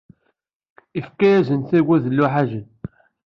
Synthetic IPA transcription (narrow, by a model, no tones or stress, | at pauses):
ifkæjæzənθæwæðəlːuħaʒən